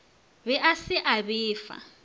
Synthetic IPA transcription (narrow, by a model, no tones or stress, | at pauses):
bɛʔasɪʔabɪːfa̰